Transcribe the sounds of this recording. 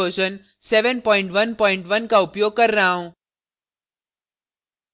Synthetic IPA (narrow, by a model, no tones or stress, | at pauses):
oɕən | seʋənpɔiɳʈʋənpɔiɳʈʋənkaupjoɡ̚kəɾnaɦũ